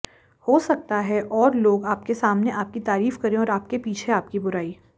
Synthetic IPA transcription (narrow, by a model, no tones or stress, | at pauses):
hoːsɐk̚t̪aɦɛʔɔːɾloːɡaːpkesaːmneʔaːp̚kit̪aːɾiːfkɐɾẽɔːɾaːp̚kepiːt͡ʃʰeaːp̚kibʊɾaːiː